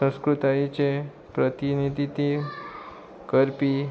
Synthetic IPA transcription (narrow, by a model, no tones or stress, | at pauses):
ə̃skɾut̪ajit͡ɕe | pɾət̪inid̪ʱit̪i | kəɾpi